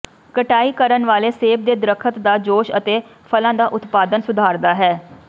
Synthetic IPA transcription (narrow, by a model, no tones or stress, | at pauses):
kəʈaːiːkəɾənʋaːleːseːb̚d̪eːd̪ɾəkʰət̪d̪aːd͡ʒoːʃə̰t̪eːpʰəlãːd̪aːʔʊt̪paːd̪ənsʊd̪ʱaːɾd̪aːɦɛː